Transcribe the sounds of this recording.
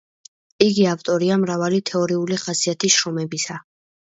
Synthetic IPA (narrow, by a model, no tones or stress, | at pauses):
iɡiaft̪ʼɔɾiamɾavalit̪ʰɛɔɾiuliχasiat̪ʰisʃɾɔmɛbisa